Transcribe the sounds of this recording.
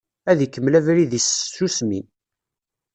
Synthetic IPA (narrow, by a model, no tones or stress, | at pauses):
æðikːəmlævɾiðisːusmin